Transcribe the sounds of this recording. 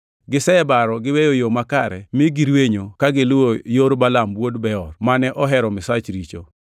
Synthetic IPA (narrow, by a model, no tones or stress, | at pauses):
ɡɪsɛɛbaɾɔɡɪwejojomakaɾɛ̰mɪɡiɾweɲokaɡɪlʊwojoɾbalamwodbɛɔrmanɛʔɔɦɛɾɔmɪsat͡ʃɾit͡ʃo